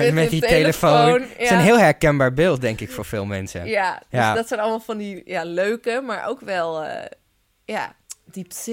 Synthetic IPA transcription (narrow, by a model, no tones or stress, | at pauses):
mɛditelləfownnsənɦɪːlˠɦɛɹkɛnbaːɹbɪːlˠt̚dɛŋkɪkfʊːɹfɪːlˠmɛnsə̰jad̥jasdɔtsɛjnɑlˠəmalˠfɑndijaløɥkəmaːɹʔo̰wkʋɛl̰ˠ | jadips